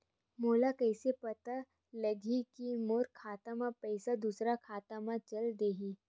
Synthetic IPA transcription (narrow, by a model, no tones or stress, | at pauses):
moːlakɐɪsepɐt̪a | ləɡʱikimoːɾkʰaːt̪amãpɐɪsad̪uːsɾakʰaːt̪amãt͡ʃɐld̪eːɦiː